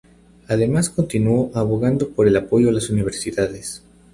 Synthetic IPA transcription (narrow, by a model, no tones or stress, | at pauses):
aðe̞masko̞nt̪inuo̞ʔaβo̞ɣand̪opo̞ɾe̞lapo̞ʝo̞alasuniβ̞e̞ɾsiðaðes